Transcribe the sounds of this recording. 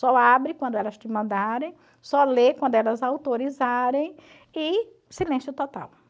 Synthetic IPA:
sɔabɾɪkwɐ̃d̪ʊɛlɐst͡ʃ̪ɪmɐ̃nd̪aɾẽj̃ | sɔlekwɐ̃nd̪ʊɛlɐzawt̪oɾizaɾẽj̃ | ɪ | silẽsjʊt̪ɔt̪a̰w

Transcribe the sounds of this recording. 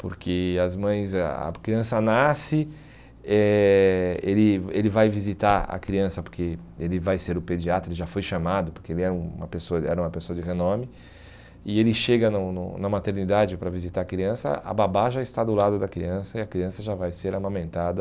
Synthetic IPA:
poɾkʰɪɐzmɐ̃j̃zɐ̰kɾiɐ̃sɐnasɪ | ɛ | elɪelɪvajvizit̪aɾɐ̰kɾiɐ̃sɐpoɾkeelɪvajseɾʊped͡ʒiat̪ɾʊelɪʒafojʃamad̪ʊpoɾkeelɪɛɾũũmɐpesoɐɛ̰ɾɐũmɐpesoɐd͡ʒɪɣenõmɪ | ɪelɪʃeɡɐnʊnʊ̰nɐmat̪eɾnid̪ad͡ʒɪpɾɐvizit̪aɾɐkɾiɐ̃sɐ̰ɐ̰babaʒaɪst̪ad̪ʊlad̪ʊd̪ɐkɾiɐ̃sɐɪɐkɾiɐ̃sɐʒavajseɾamɐ̃mẽnt̪ad̪ɐ

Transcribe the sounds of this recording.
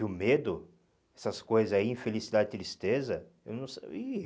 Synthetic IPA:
ʊmed̪ʊ | ɛsɐskojzɐzaiẽfelisid̪ad̪d͡ʒɪt̪ɾist̪ezɐ | ewnɐ̃w̃si

